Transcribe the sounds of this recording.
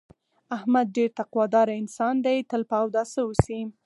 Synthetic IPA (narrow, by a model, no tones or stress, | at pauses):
ahmad̪̚ɖeɾt̪aqwɑd̪ɑɾaɪnsɑnd̪ajt̪əlpɑwd̪ɑsəusim